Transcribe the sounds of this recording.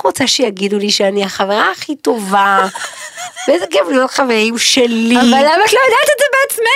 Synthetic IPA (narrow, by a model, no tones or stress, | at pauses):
ʁut͡saʃejaɡiduliʃeaniaχaveʁaːχito̞va | veezeɡavlijotχaveʁimʃelivalːamaatlojad̪at̪etzebeat͡sma